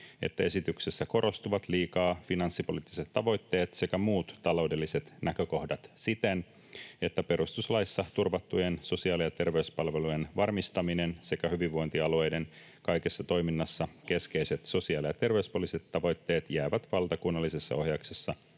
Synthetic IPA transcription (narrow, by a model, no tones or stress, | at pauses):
e̞̰t̪ːæe̞sit̪ykse̞sːæko̞ɾʔo̞st̪uʋɑt̪liːkɑːfinɑnsːipo̞̰liːt̪ːiset̪ːɑʋo̞jt̪ːe̞ːt̪se̞kæmuːt̪ːɑlo̞wdelːiset̪nʔækø̞ko̞hdɑt̪sit̪en | e̞t̪ːæpe̞ɾust̪uslɑjsːɑt̪urʋɑt̪ːujenso̞siɑːlijɑt̪e̞rʋe̞ʉspɑlʋe̞lujenʋɑrmist̪ɑminense̞kæhyʋiʋʋojnt̪iɑlue̞jde̞n | kɑjkesːɑt̪o̞jminːɑsːɑke̞ske̞ijse̞t̪so̞siɑːlijɑt̪e̞rʋeyspolise̞t̪ːɑʋo̞jt̪ːe̞ːt̪jæːʋæt̪ʋɑlt̪ɑkunːɑlːisesːɑ̰o̞hjɑksesːɑ